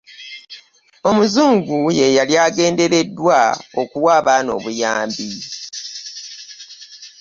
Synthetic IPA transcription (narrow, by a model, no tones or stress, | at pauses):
o̞muzuːŋɡuje̞jaljaːɡe̞ːnde̞ɾe̞dːwao̞kuwaːβaːno̞̰ːβujaːmbi